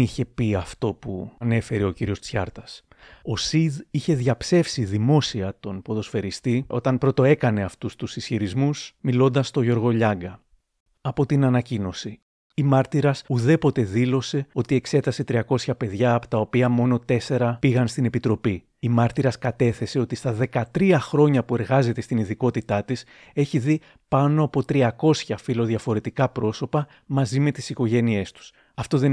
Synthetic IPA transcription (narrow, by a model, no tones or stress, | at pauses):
içe̞piɐft̪o̞pune̞fe̞ɾeo̞ciɾio̞st͡sçɐɾt̪ɐs | o̞siðiçe̞ðʝɐpse̞fsiðimo̞siɐt̪o̞npo̞ðo̞sfe̞ɾist̪iʔo̞t̪ɐnpɾo̞t̪o̞e̞kɐne̞ɐft̪ust̪usisçiɾizmusmilo̞nd̪ɐst̪o̞ʝo̞ɾɣo̞ʎɐŋɡɐ | ɐpo̞t̪inɐnɐcino̞si | imɐɾt̪iɾɐsuðe̞po̞t̪e̞ðilo̞se̞o̞t̪ie̞kse̞t̪ɐse̞t̪ɾiɐko̞sçɐpe̞ðʝɐːpo̞̥t̪ɐo̞piɐmo̞no̞t̪e̞se̞ɾɐpiɣɐnst̪inepit̪ɾo̞pi | imɐɾt̪iɾɐskɐt̪e̞θe̞se̞o̞t̪ist̪ɐðe̞kɐt̪ɾiɐxɾo̞ɲɐpue̞ɾɣɐze̞t̪e̞st̪iniðiko̞t̪it̪ɐt̪is | e̞çiði | pɐno̞ɐpo̞t̪ɾiɐko̞sçɐfilo̞ðʝɐfo̞ɾe̞t̪ikɐpɾo̞so̞pɐ | mɐzime̞t̪i̥siko̞ʝe̞nie̞st̪u̥s | ɐft̪o̞ðe